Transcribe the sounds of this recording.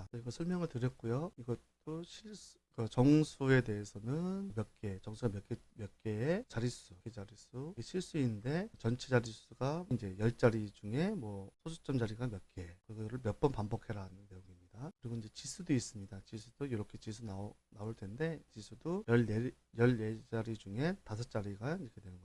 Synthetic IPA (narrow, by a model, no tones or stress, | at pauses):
ɯiɡʌsʰʌɭmjʌŋɯɭtɯɾjʌt̚k͈ujoiɡʌt͈oɕʰiɭs͈u̥kɯt͡ɕʌŋsʰue̞de̞esʰʌnɯnmjʌt̚k͈e̞t͡ɕʌŋsʰuɡamjʌke | mjʌk͈e̞ːt͡ɕaɾis͈ukʰed͡ʑaɾis͈uɡeɕʰiɭs͈uinːɯnde̞t͡ɕʌnt͡ɕʰid͡ʑaɾis͈ʰuɡaind͡ʑe̞jʌɭt͡ɕ͈aɾid͡ʑuŋe̞mwʌsʰosʰut͡ɕ͈ʌmd͡ʑaɾiɡamjʌk͈e̞kɯiɡʌɾɯɭmjʌp͈ʌnpambʌkʰe̞ɾaɦanɯnːe̞joŋimɲidakɯɾiɡoind͡ʑe̞t͡ɕisʰudois͈ɯmɲidat͡ɕisʰud̥ojoɾʌkʰe̞t͡ɕisʰunanaoɭtʰe̞nde̞t͡ɕisʰudojʌe | jʌʎjed͡ʑaɾid͡ʑuŋe̞tasʰʌt͡ɕ͈aɾiɡaiɾʌkʰedwenɯnɡʌ